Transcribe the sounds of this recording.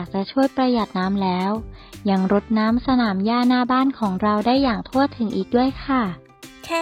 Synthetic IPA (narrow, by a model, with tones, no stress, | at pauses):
k̚t͡ɕa˨˩ʔt͡ɕʰu˥˩əjpɾa˧ja˨˩t̪̚naː˦˥mlɛː˦˥wja˧ŋɾo˦˥t̪̚naː˦˥msa˧naː˩˦mjaː˥˩naː˥˩baː˥˩nkʰɔː˩˦ŋɾa˧wdaː˥˩jːaː˨˩ŋt̪ʰu˥˩ət̪ʰːɯ˩˦ŋʔiː˨˩k̚du˥˩əjkʰa˥˩